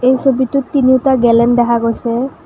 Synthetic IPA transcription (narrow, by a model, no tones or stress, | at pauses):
ejsobitutːiniwtaɡɛlɛndɛɦʰaɡojsɛ